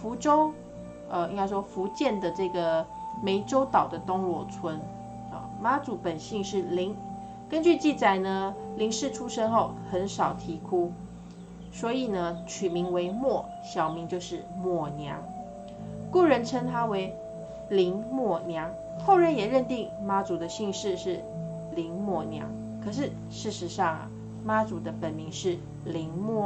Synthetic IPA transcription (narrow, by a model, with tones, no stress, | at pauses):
fu˧˥ʈ͡ʂo˥ʊ | ə˧i˧˥˩ka˥ɪʂwɔ˥fu˧˥t͡ɕjɛ˥˩nd̪ə˩ʈ͡ʂɤ˥˩ɡə˩me˧˥ɪʈ͡ʂo˥ʊt̪ɑ˨˩ʊd̪ə˦t̪o˥ŋlwɔ˨˩t͡sʰwə˧˥n | ə̰˨˩ma˧˥t͡su˨˩pə˨˩nɕi˥˧ŋʂɻ̩˥˩li˧˥ŋ | kə˦˥nt͡ɕy˥˧t͡ɕi˥˩t͡sa˨˩ɪnə˦li˧˥ŋʂɻ̩˥˩ʈ͡ʂʰu˥ʂə˥nxo˥˩ʊxə˧˥nʂɑ˨˩ʊt̪ʰi˧˥kʰu˥ | swɔ˧˥i˨˩nə˦t͡ɕʰy˨˩mi˧˥ŋwe˧˥ɪmwɔ˥˩ | ɕjɑ˨˩ʊmi˧˥ŋt͡ɕjo˥˧ʊʂɻ̩˥˩mwɔ˥˩njɑ˧˥ŋ | ku˥˩ɻə˧˥nʈ͡ʂʰə˥ŋt̪ʰa˥we˧˥ɪ | li˧˥ŋmwɔ˥˩njɑ˧˥ŋ | xo˥˩ʊɻə˧˥njɛ˨˩ɻə˥˧nt̪i˥˩ŋma˥t͡su˨d̪ə˧ɕi˥˧ŋʂɻ̩˥˧ʂɻ̩˥˩ | li˧˥ŋmwɔ˥˩njɑ̰˧˥ŋ | kʰɤ˨˩ʂ̬ɻ̩˥˩˨ | ʂɻ̩˥˩ʂɻ̩˧˥˦ʂɑ˥˩ŋ̰˩ | ma˥t͡su˨˩d̪ə˦pə˨˩nmi˧˥ŋʂɻ̩˥˩ | li˧˥ŋmwɔ˥˩